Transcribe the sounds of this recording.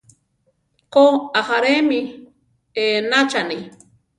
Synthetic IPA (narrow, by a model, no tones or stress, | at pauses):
koaxaɾemi | enat͡ʃani